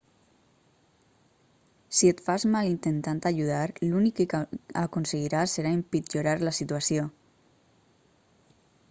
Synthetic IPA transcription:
siet̪fazmalint̪ent̪ant̪aʎuð̞aɾlunikeakonseɣiɾasːeɾaimpit͡ʃoɾaɾlasit̪uasjo

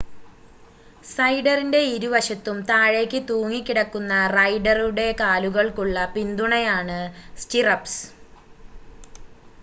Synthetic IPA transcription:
sɐjɖɐrinde̞iɾuʋɐʂɐt̪ːumt̪aːɻe̞kʲːɨt̪uːŋːikʲːiɽɐkːunːɐrɐjɖɐruɽe̞kaːluɣɐɭkuɭːɐpind̪uɳɐjaːɳɨstirɐps

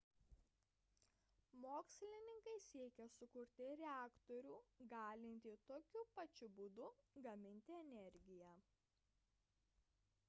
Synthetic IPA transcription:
moːksʲlʲɪnʲɪŋkɐɪsʲiɛkʲɛsʊkʊɾʲt̪ʲɪɾʲɛæːkt̪ɔɾʲuːɡɑːlʲɪnʲt̪ʲɪt̪oːkʲʊpɐt͡ʃʲʊbuːd̪ʊɡɐmʲɪnʲt̪ʲɪɛnʲɛɾʲɡʲɪjɛ

